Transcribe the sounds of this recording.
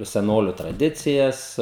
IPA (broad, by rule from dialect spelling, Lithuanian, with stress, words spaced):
sʲɛˈnoːlʲʊ trɐˈdʲɪt͡sʲɪjɛs